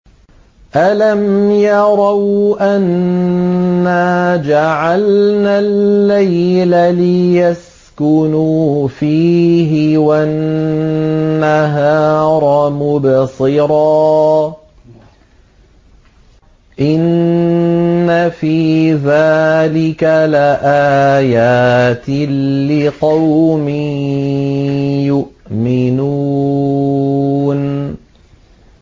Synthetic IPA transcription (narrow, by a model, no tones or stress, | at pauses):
ʔalamjɑɾˤɑwʔanː | aːd͡ʒaʕalnalːajlalɪjas | kʊnuːfiːɦɪwaʔ | aɦaɑːɾˤɑmʊbsˤɨɾɑː | ʔɪn | afiːðaːlɪkalaʔaːjaːt̪ɪɪqɑwmɪ | jʊʔmɪnu | n